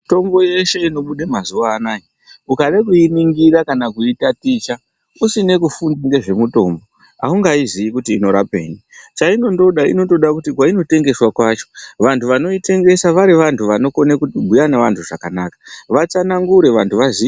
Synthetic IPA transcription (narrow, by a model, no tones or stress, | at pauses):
to̞mbo̞je̞ʃe̞ino̞ɓuɗemazuʋaːnaji | ukaɗakuiniŋɡiɾakanakuitatit͡ʃa | usine̞kufundaŋɡe̞ʐe̞muto̞̰mbo̞ | a̰uŋɡaiziikutiːno̞ɾa̰pe̞̰ːnit͡ʃaino̞ndo̞ɗaḭno̞to̞ɗakutik̬waino̞te̞ŋɡe̞swakwat͡ʃo̞ʋantʰuʋano̞ite̞ŋɡe̞saʋaɾiʋantʰuʋano̞ko̞nekubʱujaneʋantʰuʐakanakḁʋat͡sanaŋɡuɾe̞ʋantuʋazi